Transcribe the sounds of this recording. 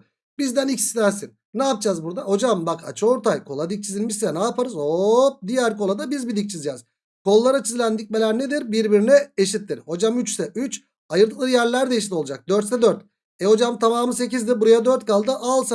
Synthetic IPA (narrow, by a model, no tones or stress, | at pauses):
bizd̪ænic̪i̥snæɾsin | naːp̚d͡ʒazbuɾd̪aho̞d͡ʒambaka̰t͡ʃʰɯo̞ɾt̪ʰajkʰo̞lˠad̪ic̚t͡ʃʰizilʲmiʃsɛnaːpʰaɾɯzop̚d̪ijæɾko̞lˠad̪abizbid̪ic̚t͡ʃʰizd͡ʒɛːz̥ | kʰo̞lˠːaɾat͡ʃʰizilʲænd̪ic̚ʲme̞lʲæɾned̪iɾbiɾbiɾinɛeʃit̪ːiɾho̞d͡ʒamyt͡ʃsɛyt͡ʃ | ajɯɾd̪ɯklˠɯɾjæɾlʲæɾd̪ɛʃit̪ʰo̞lˠad͡ʒak̚d̪øɾt̪sɛd̪øɾt̪ | ɛho̞d͡ʒamt̪ʰamaːmɯse̞cizd̪ibuɾajad̪øɾt̪kalˠd̪ɯʔalˠsa